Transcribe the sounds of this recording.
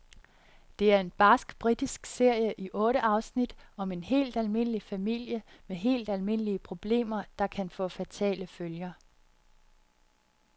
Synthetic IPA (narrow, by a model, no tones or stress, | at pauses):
d̥e̝æɐe̝nb̥ɑsɡ̥b̥ʁid̥isɡ̥se̝ɐ̰jəʔiʔɔ̽ːɾəʔɑ̈ʊsnid̥ɒ̽me̝nɦe̝̰ːld̥ælme̝n̰əlifæmil̰jəmeɦe̝̰ːld̥ælme̝n̰əliəpʰʁo̝b̥le̝̰ːmɐd̥ɑ̈kʰænfɔ̽ːfæt͡sʰɛ̰ːləføljɐ